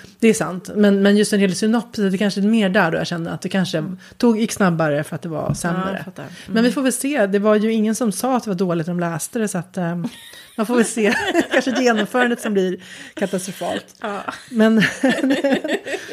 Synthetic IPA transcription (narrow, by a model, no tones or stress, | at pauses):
d̪̥ɛːʂa̰nt̪mɛnmɛnjɵst̪ɛnɾeːlsʏnɔpːsd̪ɛkʰanʂəmeːɖæɖo̰ja̰ɕɛnːəɾa̰t̪̚d̪ɛkʰanʂə | t̪ʰuːɡjɪksnabːaɾəfœɾat̪̚d̪ɛva̰sɛmɾə̰mɛnvɪfoːɾvɛlseːd̪ɛvaɾjɵɪŋːənsɔmsɑːat̪̚d̪ɛvaɖoːlɪɡt̪d̪ɔmlɛːst̪əd̪ɛsɔat̪ | manfoːvɛlseːkʰanʂəjeːnɔmfœːɾand̪ət̪sɔmblɪɾkʰat̪ast̪ɾʊfɑ̰ːlt̪mɛn